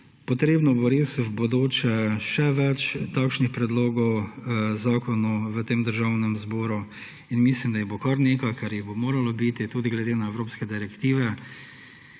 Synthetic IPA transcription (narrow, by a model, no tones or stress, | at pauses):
pɔt̪ɾeːbnɔboɾesbod̪oːt͡ʃɛʃɛʋɛt͡ʃt̪akʃnixpɾɛd̪loːɡɔwzaːkɔnɔwʋət̪eːmd̪əɾʒaːwnɛmzboːɾu | inmislimd̪ajibokaɾneːkajkaɾjiɣbomoːɾalɔbit̪it̪uːd̪iɡlɛd̪eːnaɛwɾoːpskɛd̪iɾɛkt̪iːʋɛ